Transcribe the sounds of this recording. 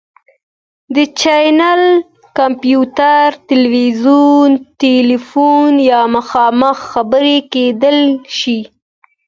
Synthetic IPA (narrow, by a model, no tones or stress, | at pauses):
d̪ət͡ʃajnal | kampjut̪aɾt̪ɪlwizunt̪elifunjɑməxɑməxːabəɾeked̪əlʃi